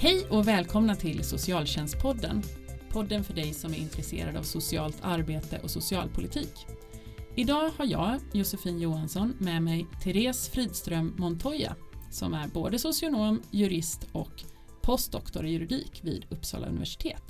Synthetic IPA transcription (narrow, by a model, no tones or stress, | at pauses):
hɛjʔɔvɛːlkʰɔmnat̪ʰɪlsʊsɪɑːlɕɛnst̪̚pʰɔd̪ːə̰npʰɔd̪ːənfœɖɛjsɔmæɾʔɪnt̪ʰɾɛsḛːɾad̪a̰vsʊsɪɑ̰ːlt̪ʰaɾbeːt̪ə̰ʔɔsʊsɪɑːlpʰʊlʔɪt̪ʰiːk | ɪd̪ɑːhaɾjɑ̰ːjʊsəfiːnjuːɦansɔnmɛmɛjt̪ʰɛɾeːsfɾiːd̪st̪ɾœmːɔnt̪ʰɔja̰sɔ̰mæɾboːd̪əsʊsɪʊnoːmjɵɾɪst̪ɔk | pʰɔst̪d̪ɔkt̪ɔɾjɵɾɪd̪ḭːkvḭːd̪ɵpːsɑ̰ːla̰ɵ̰ɪvæ̰ʂɪ̥t̪ʰeːt̪